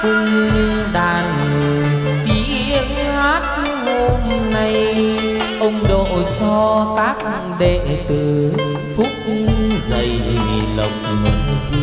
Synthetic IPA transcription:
kɨ˧ | ɗaː˨˩n˨˩ | t̪i˨˦ | ʔə˨˦ŋ | haː˦˥t̚ | ho˧mna˧j | ʔə˧wŋ͡mɗo̰˧˨t͡ɕɔ˧k̪aː˦˥k̚ | ɗe˧˨t̪ɨ˨˩ | fʊ˦˥k͡p̚zə˨˩jɗḭ˨˩lə˨˩wk͡p̚mə̰˨˦ŋzi˧

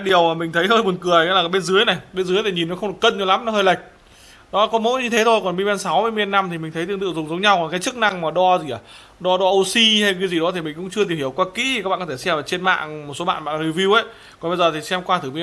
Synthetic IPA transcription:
a˦ɗi˨˩əwmaː˨˩mï˨˩ŋ̟t̪ʰə˨˦jhəː˧jmo˨˩nkɨ˨˩əja̰˧˥laː˨˩˨jɓe˧nzɨ˨˦əjna˨˩jɓe˧nzɨ˨˦jt̪ʰi˨˩ɲi˨˩nːɔ˨˦xə˧wŋ͡mɗɨ˨˩kə˧nɲa˧˩la˨˦mnɔ˨˦həː˧jlə˨˩jk̟̚ | nɔ˨˦˧kɔ˨˦mo̰˧˥ɲɨ˧t̪ʰe˨˦t̪ʰo˧jkɔ˨˩nɓi˧ɓa˧nsa˨˦wvə˧˦m˧ə˧nːa˧mt̪i˨˩mi̟˨˩t̪ʰə˨˦jt̪ɨ˧ŋt̪ɨ̰˧˨zʊ˨˩ŋ͡mzə˨˦wŋ͡mɲa˧wkɔ˨˩nkaː˨˦jt͡ɕɨ˦˥k̚na˧ŋmaː˨˩ɗɔ˧zi˨˩ʔaː˨˩ | ɗɔ˧ɗɔ˧ʔo˧si˧ha˧jkaː˨˦jzi˨˩ɗɔ˨˦t̪ʰi˨˩mï˨˩ŋ̟kʊ̰˧˥ŋ͡mt͡ɕɨ˧ət̪i˨˩whi˧˩əwkwaː˧kḭ˧˥i˨kaː˦˥ɓa̰ː˧˨kɔ˧tʰe˧˩s̬ɛ˧maː˨˩t͡ɕe˧nma̰ː˧˨ŋmo˨˩t̚so˨˦ɓa̰ː˧˨nɓa̰ː˧˨ʔli˧wvi˧wʔə˨˦j | kkɔ˨˩nɓə˧jzəː˨˩t̪ʰi˨˩sɛ˧mkwaː˧t̪ʰɨ˨˩mi˧˨

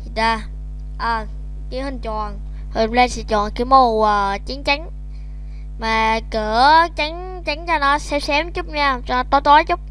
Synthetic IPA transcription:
ɗaː˧˩ | ʔəː˨˩ | ki˨˦hï˨˩ŋ̟t͡ɕɔ˨˩n | hə˨˩le˧sḭ˧˦t͡ɕɔ˨˩nki˨˦mo˧˩wəː˨˩t͡ɕi˨˦ənt͡ɕa˨˦ŋ̟ | maː˨˩kɨ˧˩ət͡ɕa˨˦ŋ | t͡ɕa˨˦ŋt͡ɕa˧nɔ˨˦sɛ˧˥sɛ˨˦mt͡ɕʊ˦˥k͡p̚ɲaː˧t͡ɕɔ˧n˨˦t̪o˧˨˦jt̪o˨˦jt͡ɕʊ˦˥k͡p̚

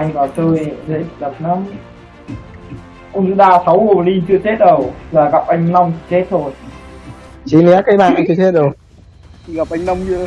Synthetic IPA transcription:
ʔa˧jŋkɔ˨˩t͡ɕəː˧jzḛ˧˦˥zə˨˩p̚na˧˥m | ʔə˧ŋ͡mzɨ˧˥ɗaː˧sa˨˦wɣu˨˩li˧nt͡ɕɨ˧t͡ɕe˦˥t̚ɗə˨˩wzaː˨˩ɣa˨˩p̚ʔa˧jŋ̟na˧wŋ͡mt͡ɕe˦˥t̚t̪ʰo˧˩j | t͡ɕi˨˦nɛ˨˦˥kaː˨˦jɓaː˧˨nʔa˧ŋt͡ɕɨ˧t̪ʰe˦˥t̚ɗə˨˩w | ɣa˨˩p̚ʔa˧jŋnə˧wŋ͡mzɨ̰˧˨

